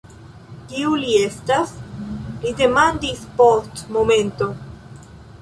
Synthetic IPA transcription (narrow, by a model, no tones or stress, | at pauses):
kiuliest̪aslid̪emãnd̪ispost̪momẽnt̪o